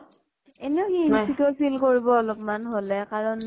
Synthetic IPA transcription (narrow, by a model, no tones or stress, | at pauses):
enɛʊxiisʰikɔɹpʰilkoɹibɔɔlɔpmanɦolɛkaɹɔn